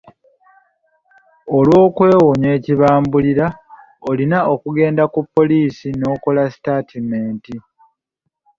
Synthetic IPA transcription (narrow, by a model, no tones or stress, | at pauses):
olwo̞ːkwe̞ːwoɲe̞ːciβaːmbuliɾa | olinaokuɡe̞ːndakupːo̞liːsino̞ːko̞lasi̥taːtʰimeːnti